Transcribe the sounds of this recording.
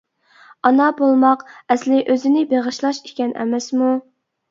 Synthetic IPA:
ɑnɑbolˠmɑqɛslɪʔøzɪnɪbeʁɨʃlˠɑʃikʲɛnʔɛ̰mɛsmu

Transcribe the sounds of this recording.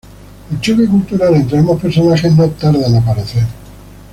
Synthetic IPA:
elt͡ʃokikult̪uɾalent̪ɾemopeɾsonaχeɦnot̪ːaɾðanap̬aɾeθeɾ

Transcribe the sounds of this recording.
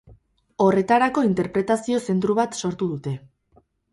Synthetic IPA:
o̞re̞t̪aɾako̞int̪e̞ɾpɾe̞t̪asio̞se̞nt̪ɾuβ̞at̪so̞ɾt̪uðut̪e̞

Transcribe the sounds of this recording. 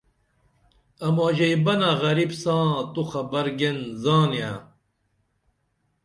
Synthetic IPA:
ɐmoːʑejbɐnaɣɐɾibsãːt̪uxɐbɐɾɡenzaːnja

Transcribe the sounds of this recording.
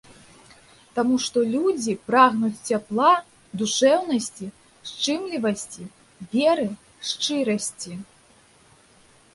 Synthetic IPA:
t̪amuʂt̪ɔlʲud͡zʲipɾaɣnut͡sʲt͡sʲaplˠa | d̪uʂɛwnɐsʲt͡sʲi | ʂt͡ʂɨmlʲivɐsʲt͡sʲi | vʲɛɾɨ | ʂt͡ʂɨɾɐsʲt͡sʲi

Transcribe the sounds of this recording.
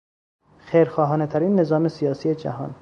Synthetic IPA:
xejɾxɒːɦɒːnet̪ʰæɾiːnːe̞zɒːme̞sijɒːsije̞d͡ʒæ̰ɦɒ̰ːn

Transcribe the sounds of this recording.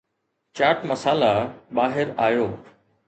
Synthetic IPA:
t͡ɕaːʈmɐsaːlabaːɦɪɾaːjoː

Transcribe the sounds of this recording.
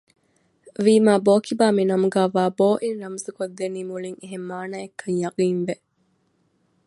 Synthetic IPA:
ʋiːmaːboːkibaːminɐmuɡæːʋaːboːʔinɾɐmɐsukod̪ːeniːmuliŋeɦemːaːnaːekʰːɐŋjɐɡiːnʋe

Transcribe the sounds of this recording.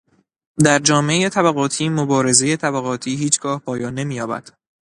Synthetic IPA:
d̪æɾd͡ʒɒːmeejet̪ʰæβæɣɒːt̪ʰiːmobɒːɾe̞ze̞jet̪ʰæbæɣɒːt̪ʰiːɦiːt͡ʃʰɡ̥ɒːhpʰɒːjɒːnːe̞miːjɒːbæ̰d̪̥

